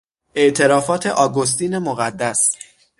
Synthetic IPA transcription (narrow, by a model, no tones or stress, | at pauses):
ʔe̞ʔt̪ʰe̞ɾɒːfɒːt̪ʰe̞ʔɒːɡos̬t̪iːne̞moɣæd̪ːæs